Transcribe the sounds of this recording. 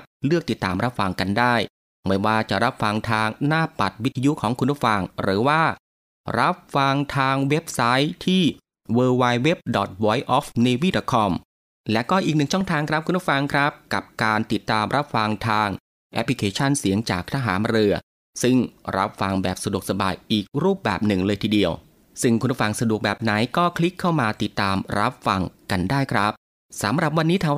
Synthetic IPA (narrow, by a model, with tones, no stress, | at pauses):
lɯ˥˩ək̚t̪i˨˩t̪ːaː˨˩mɾa˦˥p̚fa˧ŋka˧ndaː˥˩j | ma˥˩waː˥˩t͡ɕa˨˩ɾa˦˥p̚fa˧ŋt̪ʰaː˧ŋnaː˥˩pa˨˩t̪̚wi˦˥t̪ʰːa˧ju˦˥kʰɔː˩˦ŋkʰu˧nɾu˥˩fa˧ŋɾɯː˩˦waː˥˩ | ɾa˦˥p̚fa˧ŋt̪ʰaː˧ŋwe˦˥p̚sa˦˥jt̪ʰiː˥˩ | wɤː˧waː˧jwe˦˥p̚dɔ˨˩t̪̚wɔː˧˩jʔɔː˦˥fne˧wiː˦˥˩dɔ˨˩t̪̚kʰɔ˧m | lɛ˦˥kɔː˥˩ʔiː˨k̚nɯ˨˩ŋt͡ɕʰɔ˥˩ŋt̪ʰaː˧ŋkʰɾa˦p̚ʰu˧nɾu˥˩fa˧ŋkʰɾa˦˥p̚ka̰˨˩p̚kaː˧nt̪i˨˩t̪ːaː˧mɾʔa˦˥p̚fa˧ŋt̪ʰaː˧ŋ | ʔɛ˦˥pʰli˧kʰeː˧t͡ɕʰa˥˩nsi˩˦əŋt͡ɕa̰ː˨˩k̚t̪ʰa˧˩ɦaː˩˦nɾɯ˧ɐ | sɯ˥˩ŋɾa̰˦˥p̚fa˧ŋbɛ̰ː˨˩p̚sa˧du˨˩ək̚sa˧ba̰ː˨˧jʔiː˨˩k̚ɾuː˥˩p̚bɛ̰ː˨˩p̚nɯ˨˩ŋlɤː˧jt̪ʰiː˧di˧əw | sɯ˥˩ŋkʰu˧na˥˩fa˧ŋsa˧du˨˩ək̚bɛː˨˩p̚na˩˦jkɔː˥˩kʰli˦˥kʰːa˥˩wmaː˧t̪i˨˩t̪ːaː˧mɾa˦˥p̚fa˧ŋka˧ndaː˥˩jkʰɾa˦˥p̚ | sa̰˨˦mɾa˨˩p̬̚wa˧nːiː˦˥t̪ʰaː˧˦